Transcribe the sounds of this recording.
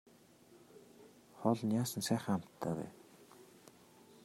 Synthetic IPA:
χɔɮnʲjaːsə̆nsæːχə̃̆ŋam̥t̪ʰːaːpæ̰ː

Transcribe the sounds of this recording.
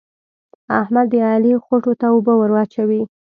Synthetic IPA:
ahmad̪ːəɑlixoʈot̪aobəwəɾwɑt͡ʃawi

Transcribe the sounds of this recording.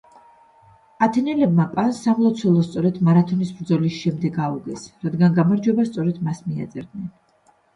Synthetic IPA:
at̪ʰɛnɛlɛb̚mapʼansːamlˠɔt̪sʰwɛlˠɔst̪sʼɔɾɛd̪maɾat̪ʰɔnisbɾd̪zɔlisʃɛmd̪ɛɡauɡɛsɾad̪ɡanɡamaɾd͡ʒwɛbast̪sʼɔɾɛd̪̥masmia̰t̪sʼɛɾd̪nɛn

